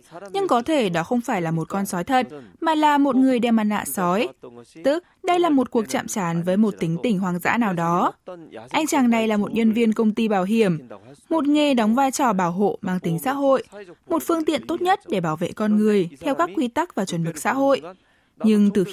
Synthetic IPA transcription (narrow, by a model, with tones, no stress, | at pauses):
ɲɨ˧ŋkɔ˨˦t̪ʰe˧˩ɗɔ˨˦xə˧wŋ͡mfaː˧˩jlaː˨˩mo˨˩t̚kɔ˧nsɔ˨˦jt̪ʰə˨˩t̚maː˨˩laː˨˩mo˨˩t̚ŋɨ˨˩əjɗɛ˧mʔa˧nla̰ː˧˨sɔ˨˦jt̪ɨ˦˥k̚ɗə˧jlaː˨˩mo˨˩t̚ku˨˩ək̚t͡ɕa̰ː˧˨mt͡ɕaː˨˦nvəː˨˦jmo˨˩t̚t̪ï˨˦ŋ̟t̪ï˧˩ŋ̟ɦwaː˨˩ŋza̰ː˧˥naː˨˩wɗɔ˨˦ʔa˧jŋ̟t͡ɕaː˨˩ŋna˧jlaː˨˩mo˨˩t̚ɲə˧nvi˧ənkə˧wŋ͡mt̪i˧ɓaː˧˩wɦi˧˩əmmo˨˩t̚ŋe˨˩ɗɔ˨˦wŋ͡mvaː˧jt͡ɕɔ˨˩ɓaː˧˩wɦo̰˧˨maː˧ŋt̪ï˨˦ŋ̟sa̰ː˧˥ɦo̰˧˨jmo˨˩t̚fɨ˧əŋt̪ḭ˧˨ənt̪o˦˥t̚ɲə˦˥t̚ɗe˧˩ɓaː˧˩wvḛ˧˨kɔ˧nŋɨ˨˩əjt̪ʰɛ˧wkaː˦˥kːwi˧t̪a˦˥k̚vaː˨˩t͡ɕwə˧˩nmɨ˨˩k̚sa̰ː˧˥ɦo̰˧˨j | ɲɨ˧ŋt̪ɨ˨˩x